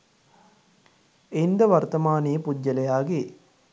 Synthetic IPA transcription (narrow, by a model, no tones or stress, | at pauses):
end̪ɐʋɐɾt̪ɐmaːneːpuɟːɐlɐjaːɡe